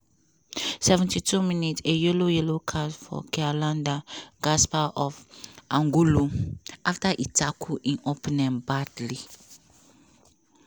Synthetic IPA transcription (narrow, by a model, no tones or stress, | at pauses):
sɛvɛ̃ntʰitʰumĩnitejelojelokʰasfɔ̰kʰɛalãndaɡaspaʔɔfãŋɡuloaftaʔitʰakʰuʔĩnopʰɛnɛ̃mbadli